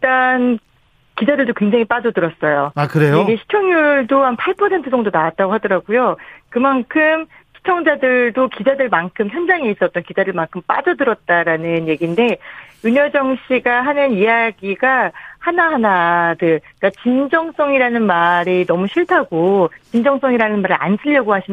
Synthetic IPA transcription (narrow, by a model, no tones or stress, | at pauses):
t͈an | kid͡ʑadɯɭdokwe̞ŋd͡ʑaŋip͈ad͡ʑʌdɯɾʌs͈ʌjoakɯɾejoiɡe̞ɕʰi̥t͡ɕʰʌŋjuɭdohanpʰaɭpʰʌsʰe̞ntʰɯd͡ʑʌŋdonawat̚t͈aɡoɦadʌɾaɡujokɯmankʰɯm | ɕʰi̥t͡ɕʰʌŋd͡ʑadɯɭdokid͡ʑadɯɭmankʰɯmçjʌnd͡ʑaŋeis͈ʌʌt͈ʌnkid͡ʑadɯɭmaŋkʰɯmp͈a̰d͡ʑʌdɯɾʌt̚t͈aɾanɯnje̞ɡiːnde̞juɲʌd͡ʑʌŋɕʰiɡaɦanɯnijaɡiɡahanaɦanadɯ | k͈at͡ɕind͡ʑʌŋs͈ʌŋiɾanɯnmaɾinʌmuɕʰiɭtʰaɡot͡ɕind͡ʑʌŋs͈ʌŋiɾanɯnmaɾia̰nsʰɯʎːʌɡohaɕʰim